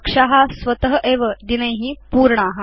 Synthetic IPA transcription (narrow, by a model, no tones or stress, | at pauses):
kʂaɦasʋət̪əɦəʔeʋəd̪inəjɦiːpuːɾɳəaɦa